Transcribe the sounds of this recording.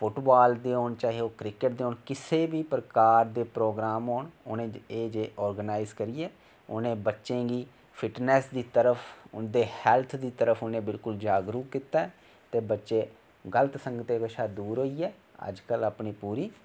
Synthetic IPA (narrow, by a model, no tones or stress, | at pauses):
pʊʈbaːld̪eːɦoːɳt͡ʃaːɦioːkɾɪkəʈ̚d̪eːɦoːɳkɪseːbiːpəɾəkaːɾd̪eːpɾoːɡɾaːmɦoːɳʊnẽːeːd͡ʒeːʔɔːɾɡənaːɪzkəɾiːɛː | ʊ̰nẽːbətːʃẽːɡiː | pʰɪʈnɛːsd̪iːt̪əɾəfʰʊnd̪eːhɛːlt̪ʰd̪iːt̪əɾəpʰʊnẽːbɪlkʊld͡ʒaːɡɾuːkɪt̪aːɛː | t̪eːbətːʃeː | ɡələt̪səŋɡət̪eːkəʃaːd̪uːɾɦoːiːɛː | ə̰d͡ʒkəlaːpɳiːpuːɾiː